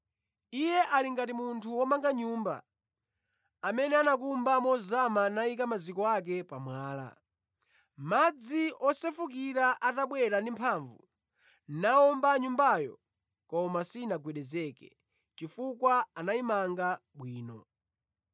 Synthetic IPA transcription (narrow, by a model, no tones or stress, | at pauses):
ijɛʔaliŋɡatimuntʰuwɔmaŋɡaɲuːmba̰ | amɛnɛanak̬umbamɔzamanaik̬amazikɔak̬ɛpamwaːla̰ | mad͡ziɔsɛfuk̬iɾaʔataɓwɛɾandimpʰaɱvu | naɔmbaɲumbajɔ̰ | kɔmasinaɡwɛɗɛzɛkɛ | t͡ʃifukwaanaimaŋɡaɓwiːnɔ̰